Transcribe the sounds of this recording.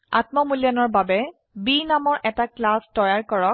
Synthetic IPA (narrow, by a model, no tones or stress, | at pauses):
a̰tmɔmulijanɔɹbabɛ | binamɔɹʔɛtaklastɔjaɹkɔɹɔk̚